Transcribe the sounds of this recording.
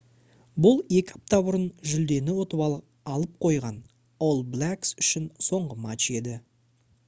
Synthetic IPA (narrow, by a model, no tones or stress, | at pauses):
bʊlˠe̞kʲɪɑ̥p̚t̪ɑbʊɾənʒʏld̪e̞nɪwo̞t̪əβɑ | ɑlˠəp̚qʰo̞jʁɑn | olˠblʲæksʏʃɪnso̞ɴʁəmat͡ʃe̞d̪ɪ